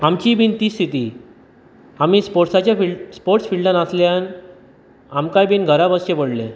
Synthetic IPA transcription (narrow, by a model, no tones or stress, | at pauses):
amt͡ɕiːbiːnt̪iːst̪ʰit̪iː | am̤iːspoɾʈsat͡ɕjafispoɾʈsfiɭɖãnaslean | amkajbiːnɡʱəɾabəsɕebəɽlḛ̃